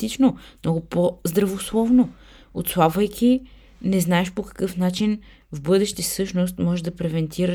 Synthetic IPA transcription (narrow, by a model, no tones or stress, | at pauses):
it͡ʃnomnɔɡʊpozd̪ɾɐvoslˠɔvno | ot̪slˠabvɐjkʰʲi | nɛznaɛʃpokɐ̥kɤfnat͡ʃin | vbɤd̪ɛʃt̪isɤʃnos̬t̪mɔʒɛʒd̪ɐpɾɛvɛnt̪ʰiɾə